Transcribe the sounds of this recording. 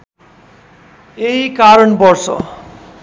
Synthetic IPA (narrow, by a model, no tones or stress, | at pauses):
eɦikaɾʌnpʌrsʌ̰